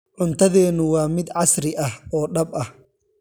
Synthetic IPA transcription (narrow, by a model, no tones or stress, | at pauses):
ʕʊnt̪ʰɐðɛːnʊwɑːmɪd̪ʕɑsɾɪʔɐhɔːɖɐbɐh